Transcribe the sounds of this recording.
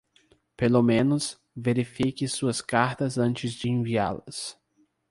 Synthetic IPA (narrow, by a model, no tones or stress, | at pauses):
pelomẽnʊs | veɾifikɪsuɐskaɾt̪ɐzɐ̃nt͡ʃɪzd͡ʒɪẽvia̰lɐ̰s